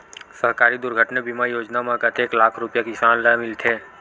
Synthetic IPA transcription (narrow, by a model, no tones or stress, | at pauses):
səɦkaːɾid̪ʊɾɡʱəʈnebiːmaijoːd͡ʒnamãkət̪eːklaːkʰɾʊpjakɪsaːnlamɪlt̪ʰeː